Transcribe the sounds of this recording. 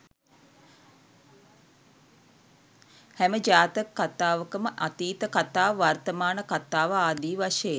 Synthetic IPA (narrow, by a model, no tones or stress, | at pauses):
hæməd͡ʒaːt̪əkːat̪aːʋəkəməʔat̪iːt̪əkat̪aːʋart̪əmaːnəkat̪aːʋəaːd̪iːʋaʃəje